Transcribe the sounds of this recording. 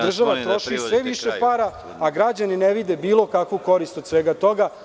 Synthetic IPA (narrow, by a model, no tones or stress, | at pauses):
d̪r̩ʒaʋat̪ɾo̞ʃisʋeʋiʃepaːɾa | aɡɾad͡ʑanineʋid̪ebiːlo̞kakʋuko̞ɾist̪od̪sʋeːɡat̪o̞ɡa